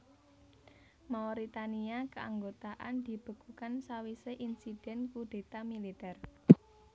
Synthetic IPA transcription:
mawɾit̪aniakəaŋɡot̪aʔand̪̥i̤b̥ə̤ɡ̥ukansawiseʔinsid̥ɛnkuɖ̥e̤t̪amilit̪ɛr

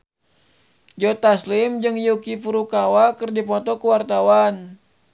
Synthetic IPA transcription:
d͡ʒɔt̪aslimd͡ʒɨŋjukifuɾukawakɨrdipɔt̪ɔkuwart̪awan

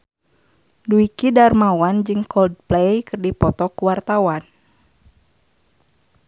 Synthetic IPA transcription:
duikidarmawand͡ʒɨŋkɔld̚plejkɨrdipɔt̪ɔkuwart̪awan

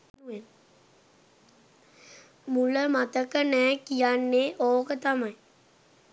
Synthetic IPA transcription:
uʋen | muləmat̪əkənɛːkijanːeʔoːkət̪amai

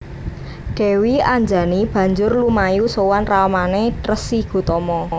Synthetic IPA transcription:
ɡ̥ɛ̤wiaɲd͡ʒa̤nib̥ä̤ɲd͡ʒʊrlumajusowanramaneʈrəsiɡ̥ṳt̪ɔmɔ

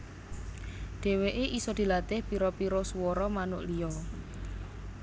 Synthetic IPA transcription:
ɖ̪̥e̤weʔeʔisɔd̪̥i̤lat̪ɪhpiɾɔpiɾɔsuwɔɾɔmanʊʔlijɔ

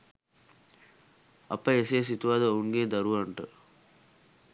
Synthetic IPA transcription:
ɐ̰pɐeseːs̬it̪uʋad̪əouŋɡeːd̪ɐɾuʋɐɳʈə

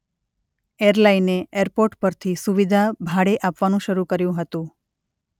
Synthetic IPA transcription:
eɾlaineʔeɾpoɾʈpəɾt̪ʰisuʋid̪ʱabʱaɽeʔapʋanũʃəɾukəɾjũɦət̪ũ

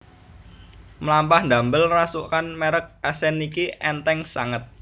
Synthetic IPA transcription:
mlampahnd̪a̤mbəlrasuʔkanmeɾək̚asɛnikiʔɛnt̪ɛŋsaŋət̪̚

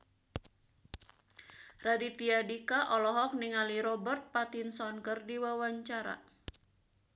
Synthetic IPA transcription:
radit̪iadikaʔɔlɔɦɔfniŋaliɾɔbərt̪̚pat̪insɔnkərdiwawaɲt͡ʃaɾa̰

